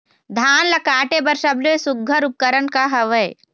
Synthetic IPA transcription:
d̪ʱaːnlɐkaːʈebɐɾsɐbloesʊɡʱːɐɾʊp̚kəɾənkaɦɐʋəj

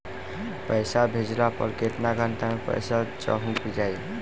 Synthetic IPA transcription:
pəjsabʱed͡ʒlapə̰lket̪naɡʱant̪amẽpə̰jsat͡ʃə̰ɦũkid͡ʒaj

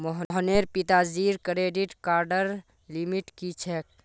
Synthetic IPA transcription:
mɔɦɦneɾpit̪aziɾkɾeɖiʈkaːɾɖəɾ | limiʈkit͡ʃʰɛːk̚

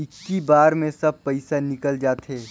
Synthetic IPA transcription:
ɪkːibaːɾmẽsɐb̚pɐɪsanɪkəld͡ʒaːt̪ɦeː

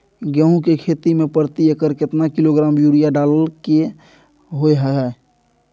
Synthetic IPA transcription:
ɡɛɦũkekʰet̪imẽpəɾt̪iəkəɾkɪt̪nakiloɡɾaːmjuɾijaɖaləlke | ɦoeɦəɦɛ

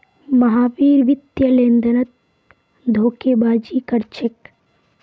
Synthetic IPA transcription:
mɐɦaːʋiːɾʋɪt̪jɐlẽːnd̪ʱɐnɐt̪̚ | d̪ʱoːkeːbaːd͡ʒiːkɐɾt͡ʃʰek

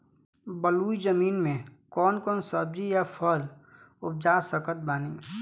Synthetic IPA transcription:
bəluːid͡ʒəmiːnmẽkɔːnkɔːnsəb̚d͡ʒijapʰəl | ʊp̚d͡ʒaːsəkət̪̚baːniː

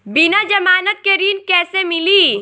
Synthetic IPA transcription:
bɪnad͡ʒɐmaːnət̪̚keɾiːnkɛːsemɪliː

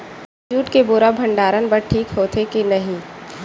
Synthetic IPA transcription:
t͡ʃuːʈkebuɾabʱɐ̃ɳɖaːɾənbɐɾʈʰiːkɦoːt̪ʰekinɐɦĩ

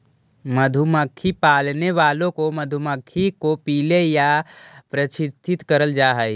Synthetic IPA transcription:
məd̪ʱuməkʰːipaːlneʋaːlõkomɐd̪ʱuməkʰːikopiːlejapɾɐt͡ʃʰɪst̪ʰːɪt̪kəɾəld͡ʒaːɦɛ

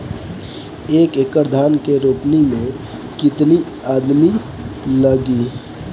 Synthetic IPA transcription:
eːkekəɾd̪ʱaːnkeɾopnimẽ | kɪt̪ni | ad̪mi | ləɡi

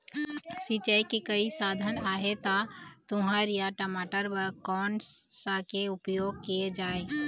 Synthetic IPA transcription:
sit͡ʃajkikəisaːd̪ʱənaːɦet̪at̪ʊɦəɾjaʈəmaːʈəɾbəɾkɔːnsakeʊpjoːɡ̚kijed͡ʒaːe

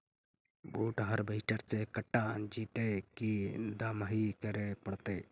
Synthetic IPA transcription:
buːʈɦəɾbʱəɪʈəɾsekəʈːãd͡ʒiːt̪ekid̪aːmikəɾepəɽt̪eː

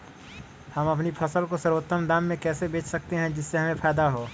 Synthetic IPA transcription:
hɐmɐp̬nipʰɐsəlkosəɾwot̪ːəmd̪aːmːẽkɛːsebeːt͡ʃʰsɐk̚t̪eɦɛ̃d͡ʒɪsːeɦɐmẽpʰɛːd̪aɦoː

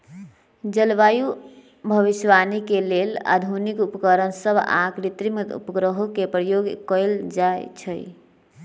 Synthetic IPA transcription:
d͡ʒəlʋaju | bʱəbisʋanikelela̰d̪ʱunikupkəɾənsəbʱa̰kɾit̪ɾimet̪ṵpɡɾəɦokepɾəjoɡkəld͡ʒajt͡ʃʰəj

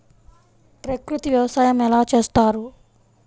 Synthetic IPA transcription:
pɾekɾut̪iʋjɐʋɐsaːjɐmɛlaːt͡ʃe̞ːst̪aːɾu

